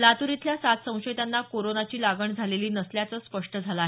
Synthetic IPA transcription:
lat̪uɾit̪ljasat̪sə̃w̃ɕət̪anːakoɾonat͡ɕiːlaɡʱəɳd͡zʱaleliːnəsljat͡səːspəʂʈəd͡zʱalaɦe

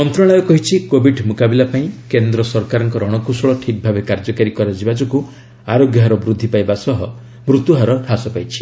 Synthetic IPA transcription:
mɔnt̪ɾɔɭ̃ajɔkɔɦit͡ʃʰikobʱiɖmukabilapaĩkend̪ɾɔsɔɾkaɾɔŋkɔɾɔɽ̃ɔkusɔɭɔʈʰik̚bʱabekaɾd͡ʒɔkaɾikɔɾad͡ʒibad͡ʒɔku | aɾoɡjɔɦaɾɔbɾud̪ʱːipajbasɔɦɔ | mɾut̪uɦaɾɔʈʰasɔpajt͡ʃʰi̥

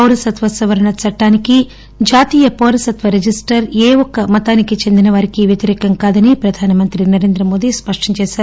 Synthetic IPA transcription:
pɐwɾɐsɐt̪ʋɐsɐʋɐɾɐɳɐt͡ʃɐʈːaːniki | d͡ʒaːt̪iːjɐpoːɾɐsɐt̪ʋɐɾed͡ʒisʈɐɾeːɔkːɐmɐt̪aːnikit͡ʃe̞nd̪inɐʋɐɾikiʋjet̪iɾɛːkɐŋkaːd̪ɐnipɾɐd̪ʱaːnɐmɐnt̪ɾinɐɾeːnd̪ɾɐmo̞ːd̪ispɐʂʈɐɲt͡ʃɛːsaːɾuu

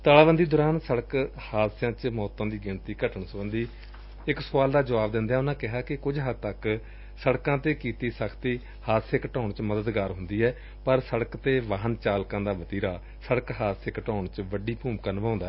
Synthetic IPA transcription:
t̪aːlaːʋənd̪iːd̪ʊɾaːnsəɽəkhaːd̪sjãːt͡ʃmɔːt̪ãːd̪iːɡɪɳt̪iːkəʈəɳsəʋə̃nd̪iː | ɪksʊʋaːld̪aːd͡ʒəʋaːbd̪ɪ̃nd̪aːʊnãːkɪɦaːkɪkʊd͡ʒɦət̪ək | səɽkãːt̪eːkiːt̪iːsəkʰt̪iː | haːt̪seːkəʈaːɳt͡ʃməd̪əd̪ɡaːɾɦʊnd̪iːɛː | pəɾsəɽəkt̪eːʋaːɦənt͡ʃaːlkãːd̪aːbət̪iːɾaː | səɽəkɦaːd̪seːkəʈaːɳt͡ʃʋəɖiːpuːmkaːnəʋãːnd̪aːɛ

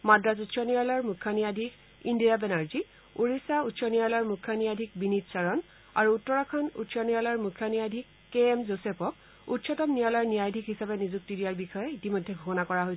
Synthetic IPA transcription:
madɹazutsɔnijalɔɹmukʰːjɔnijadʱik | indijabɛnaɹzi | uɹisautsɔnijalɔɹmukʰːjɔnijadʱik̚binitsaɹɔn | aɹuːtːɔɹakʰɔnṵtsɔnijalɔɔɹmukʰːjɔnijadʱikːeɛmzosɛpɔk̚ | utsʰɔtɔmnijalɔɹnijajdʱikɦisabɛnizuk̚tidiaɹbixɔjɛitimojdʱːɛɡʱukɔnakɔɹaɦoj

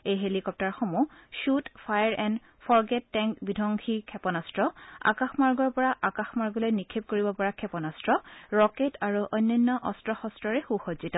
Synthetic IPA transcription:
ejɦelikɔp̚taɹxɔmuʃutfʰajɹʔɛn | pʰɔɹɡɛtːɛŋkbidʱɔŋkʰikʰɛpɔnastɹɔa̰kaxmaɹɡɔɹpɔɹaʔakaxmaɹɡɔlojnikʰep̚koɹibɔpɔɹakʰɛpɔnastɹɔɹɔketaɹuʔɔjnːɔnːɔʔɔstɹɔxɔstɹɔɹɛxuxozitɔ

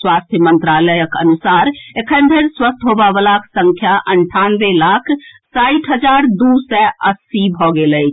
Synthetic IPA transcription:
swast̪ʰjəmənt̪ɾaləjəkə̰nusaɾekʰənd̪ʱəɾswəst̪ɦobabəlaksə̃ŋkʰjaʔəɳʈʰanʋelakʰsaiʈʰɦəd͡ʒaɾd̪usɛəsibʱɔɡeləjt͡ʃʰ

